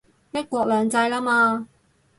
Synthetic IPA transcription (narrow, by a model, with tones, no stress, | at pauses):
t̪ɪ˥kːʷɔː˧k̚lœː˨ŋt͡sɐ˧jlaː˥maː˧